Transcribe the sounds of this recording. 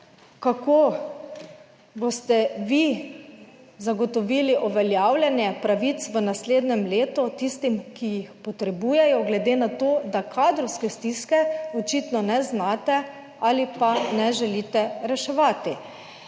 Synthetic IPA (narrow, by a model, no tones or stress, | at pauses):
kako | bost̪ɛʋi | zaɡɔt̪ɔʋiːliʔɔʋɛljaːwlʲjɛnjɛpɾaʋit̪sʋənasleːd̪nɛmleːt̪ut̪ist̪imkijixpɔt̪ɾɛbuːjɛjɔɡlɛd̪eːnat̪oːd̪akʰaːd̪ɾɔwskɛst̪iskɛɔt͡ʃit̪nɔnɛznaːt̪ɛ | alipanɛʒɛliːt̪ɛɾɛʃɛʋaːt̪i